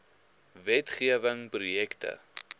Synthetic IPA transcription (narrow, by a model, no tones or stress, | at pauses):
vɛtχiəvəŋprujɛktə̰